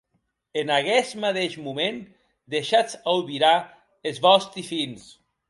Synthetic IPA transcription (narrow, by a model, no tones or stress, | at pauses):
enaɣɛsmat̪eʃmumẽn | d̪eʃat͡sawβiɾa | ezβɔst̪ɾifins